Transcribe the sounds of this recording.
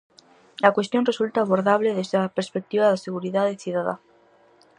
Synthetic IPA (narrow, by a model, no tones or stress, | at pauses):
lakwest̪jo̞nresult̪aːβoɾðaβleðezðeapeɾspek̚t̪iβaðeseɣuɾiðaðeθjuðaða̰